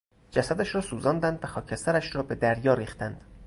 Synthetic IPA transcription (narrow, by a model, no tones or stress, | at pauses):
d͡ʒæsæd̪æʃɾɒːsuːzɒːnd̪ænd̪væxɒːcʰest̪æɾæʃɾɒːbe̞d̪æɾjɒːɾiːxt̪ænd̪̥